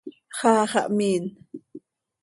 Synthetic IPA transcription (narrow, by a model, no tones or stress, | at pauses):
χaːχaʔmiːn